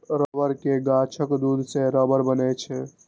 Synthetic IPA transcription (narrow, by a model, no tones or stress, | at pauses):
ɾəbəɾkeɡaːt͡ʃʰəkd̪uːd̪ʱseɾəbəɾbənet͡ʃʰɛ